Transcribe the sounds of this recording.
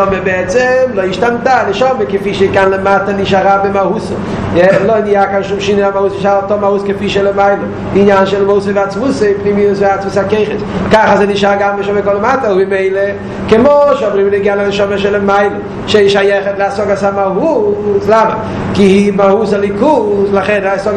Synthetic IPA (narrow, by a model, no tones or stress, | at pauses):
ɔməbɪɛt͡sɛmlˠoɪɪʃtamtanɪʃɔməkɪfiːʃikanlɪmatənɪʃaʁabɪmahusə | ɛloɪnijakanʃumʃiniamahusnɪʃaltɔmahuskɪfiːʃelɪmaɪlə | dɪːnjanʃɛlˠmousəvɪat͡smuseɪpnimiʊsvɪat͡svusakeɪχəskaχazenɪʃtaɡamnəʃɔməkɔlɪmatəobɪmeɪlˠə | kɪmoʃɔbəʁɪmneɡalanɪʃɔməʃɛləmaɪlə | ʃeʃajɛχətlɪasɔɡasamaɦuslamə̰ | kɪimahuslɪkuslaχɛnasɔɡ